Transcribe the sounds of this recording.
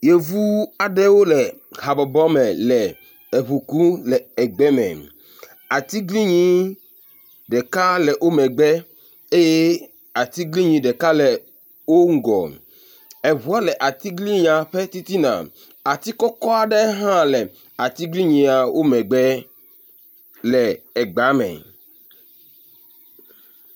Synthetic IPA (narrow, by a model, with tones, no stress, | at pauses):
je˨vu˦a˨ɖɛ˦wo˦lɛ˨ | ɦa˨bɔ˨bɔ˦mɛ̃˨lɛ˨ | e˨βu˨ku˦lɛ˨ɛ˨ɡ͡bɛ˦mɛ̰̃˨ | a˨t̪i˦ɡli˦ɲĩ˦ | ɖɛ˨ka˦lɛ˨ʔo˦mɛ̃˨ɡ͡bɛ˦ | e˦je˦ | a˨t̪i˦ɡli˦ɲĩ˨ɖɛ˨ka˦lɛ˨ | wo˦ŋ̩˦ɡɔ̰˨ | ɛ˨βu˦a˦lɛ˨ʔa˨t̪i˦ɡli˦ɲã˨ɸe˦t̪i˦t̪i˦nã̰˨ | a˨t̪i˦kɔ˦kɔ˦a˨ɖɛ˦ɦã˦lɛ˨ | a˨t̪i˦ɡli˦ɲĩ˨˦a˨wʔo˦mɛ̃˨ɡ͡bɛ˦ | lɛ˨ɛ˨ɡ͡ba˨˦mɛ̰̃˨